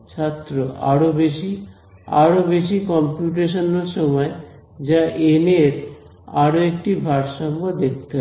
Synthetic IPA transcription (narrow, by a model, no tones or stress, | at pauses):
t͡ɕʰat̪ːɾoa̰ɾobeʃi | a̰ɾobeʃikɔmpjuʈ̬eʃ̬onoɾʃɔmɔe | d͡ʑaʔeneɾ | aɾoek̚ʈibʱaɾʃɔmbod̪ek̚t̪o